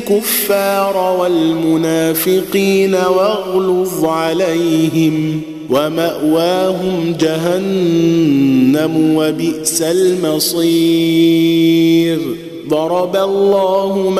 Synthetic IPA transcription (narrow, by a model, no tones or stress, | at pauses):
kʊfːɑːɾˤwalmʊnaːfɪqiːnawaɣlʊfʕalajɦɪm | wamaʔwaːɦʊmd͡ʒaɦan | amwabɪʔsalmɑsˤiː | ɾ | d̪ˤɑɾˤɑbalˤːɑːhʊm